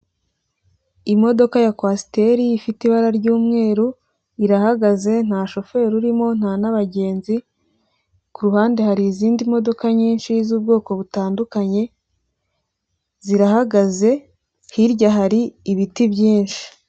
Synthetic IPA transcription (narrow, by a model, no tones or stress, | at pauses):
imo̞do̞kajakwasi̥te̞ɾiːfitiβaɾaɾɟuːmŋe̞ːɾu | iɾahaɡaze̞n̥haːʃo̞fe̞ɾuɾimo̞n̥haːnaβaɟe̞ːnzi | kuɾuhaːnde̞haɾiːziːndimo̞do̞kaɲiːnʃizuːbɡo̞ːko̞βutaːndukaɲe̞ | ziɾahaɡaze̞ | hiɾɟaɦaɾiːβitibjiːnʃi̥